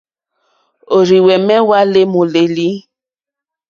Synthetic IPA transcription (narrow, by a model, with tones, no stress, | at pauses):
o˨ɾi˨wɛ˨mɛ˦wa˦le˦mo˨le˨li˦